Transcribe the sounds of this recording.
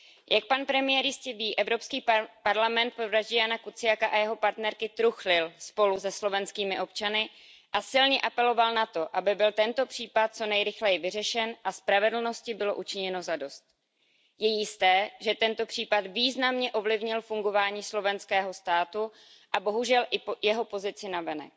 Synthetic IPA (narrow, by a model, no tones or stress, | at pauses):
jʔak̚panpɾɛmɪjɛɾjɪscɛviːʔɛvɾo̞pskiːpaɾlamɛnt̪̚pɾovɾaʒɟɪjanakut͡sɪjakaʔajɛɦo̞paɾt̪nɛɾkɪt̪ɾuxlɪlspo̞lusɛslo̞vɛnskiːmɪʔo̞p̚t͡ʃanɪ | ʔasɪlɲɛʔapɛlo̞valnat̪o̞ʔabɪbɪlt̪ɛnt̪o̞pr̝̥iːpat̪̚t͡so̞nɛjɾɪxlɛjɪvɪrɛʃɛnʔaspɾavɛdl̩no̞scɪbɪlo̞ʔut͡ʃɪɲɛno̞zado̞st̪̚ | jɛjɪst̪ɛːʒɛt̪ɛnt̪o̞pr̥iːpat̪viːznamɲɛʔo̞vlɪvɲɪlfuŋɡo̞vaːɲiːslo̞vɛnskɛːɦo̞st̪aːt̪u | ʔabo̞ɦuʒɛlʔɪjɛɦo̞po̞zɪt͡sɪnavɛnɛ̰k